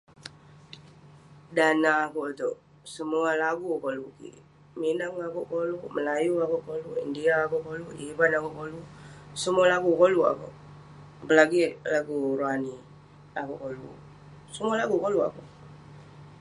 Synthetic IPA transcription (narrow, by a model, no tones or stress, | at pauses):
danaːkut̪o | səmualaɡukolukḭ | minaŋakukoluməlajuakukoluḭndiaːkuʔkoluibanakuʔkolusəmualaɡukolua̰kṵ | bəlaɡilaɡuɾoani | akukolṵ | səmualaɡukolua̰ku